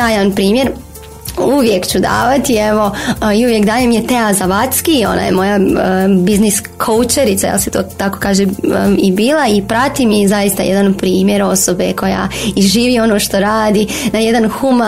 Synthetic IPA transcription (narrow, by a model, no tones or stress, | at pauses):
aːjanpɾiːmje̞ɾ | uʋjekt͡ɕud̪a̰ːʋat̪ieʋo̞iuʋje̞kd̪aːjemjet̪e̞azaʋat̪skio̞̰na̰ːjḛmo̞jabiznis | kʰout͡ʃeɾit̪sajḛlset̪o̰ːt̪ako̞̥kaːʒeibiːlˠaipɾat̪imizajist̪ajed̪anpɾiːmje̞ɾo̞so̞beko̞ja̰iʒiːʋio̞noːʃt̪o̞ɾaːd̪inaje̞d̪anxuma